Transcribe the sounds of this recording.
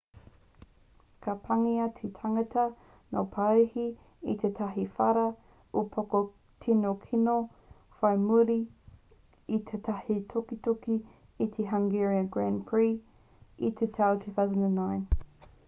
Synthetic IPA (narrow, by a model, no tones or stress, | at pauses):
kʰɐpʰɐŋiɐtʰitʰɐŋɐtʰɐ | no̰pʰɐɾihi | it̪ʰet̪ʰɐɦifɐɾɐ | upʰoko | tʰinokʰino | fɐjmuɾi | it̪ʰetʰɐhit̪ʰokit̪oki | it̪ʰeɦɐŋɡɛɹiɐɡɹænpʰɹiː | it̪ʰetʰawtʰuːθawzəndanːãɪn